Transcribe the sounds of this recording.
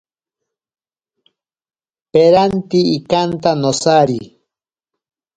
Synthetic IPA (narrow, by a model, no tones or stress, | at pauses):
peɾant̪iːkant̪anosaɾi